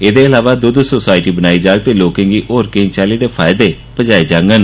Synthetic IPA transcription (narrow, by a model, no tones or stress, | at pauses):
eːd̪eːɪlaːʋaːd̪ʊd̪soːsaːɪʈiːbənaːiːd͡ʒaːɡ̚t̪eːloːkẽːŋɡiːʔoːɾkɪ̃ːŋɡt͡ʃaːliːdeːpʰaːɪd̪eː | pəd͡ʒaːiːd͡ʒãːŋɡən